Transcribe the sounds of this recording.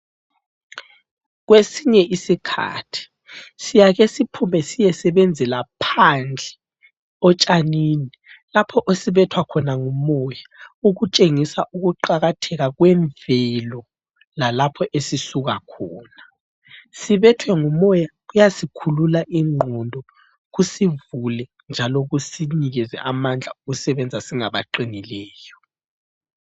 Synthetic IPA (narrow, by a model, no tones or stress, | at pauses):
ɣwesiɲɛʔisikʰa̰ːtʰi̥ | sijaɣesipʰumɛsijɛsɛβend͡zʱɛlapʰand͡ɮʱɛ̥ | ɔt͡ʃʼaniːni | lapʰɔʔosiβɛtʰwakʰɔnaŋumɔjauɣut͡ʃʼeŋisaʔuɣuǃaɣatʰɛɣaɣwɛɱvɛlɔ | lalapʰɔʔesisuɣakʰɔːna | siβɛtʰwɛŋumɔjaɣujasikʰululaʔiŋ͡ǃʱɔndʱɔ | ɣusivulɛ | nd͡ʒʱalɔɣusiɲiɣɛzɛ̰ʔamand͡ɮʱa̰uɣusɛβɛnd͡zʱasiŋaβaǃinilɛːjɔ